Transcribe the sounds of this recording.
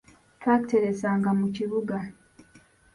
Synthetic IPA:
twaːkte̞ɾe̞saːŋɡamuciβuɡa

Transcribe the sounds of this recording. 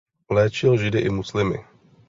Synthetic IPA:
lɛːt͡ʃɪlʒɪdɪʔɪmuslɪmɪ̰

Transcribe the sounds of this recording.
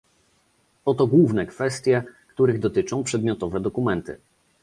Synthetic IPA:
ɔt̪ɔɡwuvnɛkfɛst̪ʲjɛkt̪uɾɘɣd̪ɔt̪ɘt͡ʂɔ̃w̃pʂɛd̪mʲjɔt̪ɔvɛd̪ɔkumɛnt̪ɘ̰

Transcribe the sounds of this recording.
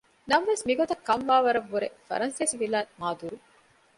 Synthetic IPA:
nɐmʋesmiɡot̪ɐkːɐmʋaːʋɐɾɐʋːuɾefɐ̰ɾɐnsesiʋilaːmaːd̪uːɾu

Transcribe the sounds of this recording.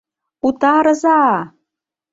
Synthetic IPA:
ut̪ɑɾɤ̆zɑ

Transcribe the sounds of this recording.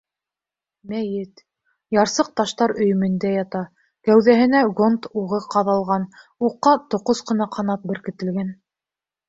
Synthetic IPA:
mæjɘt̪ | jɑɾsɤq̚t̪ɑʃt̪ɑɾɵ̆j̆mɘ̆nd̪æjɑt̪ɑ | kæwðæɦɘ̆næɡont̪uʁɤqɑðɑlˠʁɑnuqːɑt̪ŏqosqɤ̆nɑqʰɑnɑt̪̚bɘ̆ɾkɘ̆t̪ɘ̆lɡæn

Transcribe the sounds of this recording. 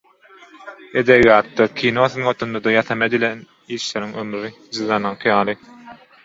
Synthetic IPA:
ed̪eβjɑːt̪ːɑkʲʰinoθɯnot̪ʰund̪ɑd̪ɑjɑθɑmed̪ilʲen | iːʃleɾiŋømɾi | d͡ʒɯðɑnɑŋqʰɯjɑːlˠɯ

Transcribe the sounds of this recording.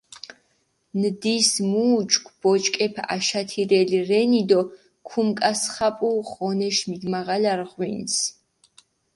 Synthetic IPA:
nd̪ismuːt͡ʃʰʼkʷʰb̥ɔt͡ʃʼkʼɛpʰa̰ʃat̪ʰiɾɛliɾɛnid̪ɔ | kʰumkʼasχapʼuʁɔnɛʃmiɡmaʁalaɾʁwins

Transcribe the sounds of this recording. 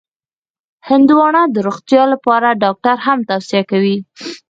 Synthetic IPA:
hɪnd̪uwɑɳɑd̪əɾoxt̪jɑlapɑɾaɖɑk̚ʈaɾhamt̪awsijakawi

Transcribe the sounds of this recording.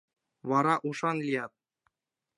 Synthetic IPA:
ʋɑɾɑʔuʂɑnlʲijɑt̪̚

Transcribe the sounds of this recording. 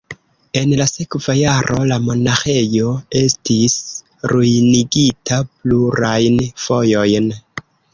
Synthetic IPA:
e̞nlase̞kvajaɾʔo̞̰lamo̞naxe̞jo̞e̞stis | ɾujniɡitʰapluɾajnfo̞jo̞jn

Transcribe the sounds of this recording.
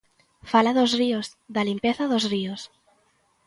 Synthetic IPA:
falaðozriozðalimpeθaðozrios

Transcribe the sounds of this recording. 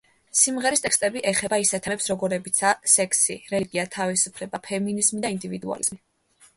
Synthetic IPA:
simʁɛɾist̪ʼɛkst̪ʼɛbiʔɛχɛbaisɛt̪ʰɛɛpsɾɔɡɔɾɛbit̪sʰasɛkʰsiɾɛliɡʼiat̪ʰavisupʰlɛbapʰɛminizmid̪aind̪ivid̪ua̰lizmi

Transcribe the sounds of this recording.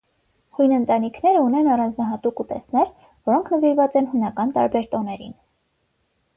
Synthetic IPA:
hujnənt̪ɑnikʰnɛɾəunɛnɑrɑnd͡znɑɦɑt̪ukut̪ɛ̰snɛɾ | vɔɾɔŋkʰnəviɾvɑt͡sɛnhunɑkɑnt̪ɑ̰ɾbɛɾt̪ɔnɛɾḭn

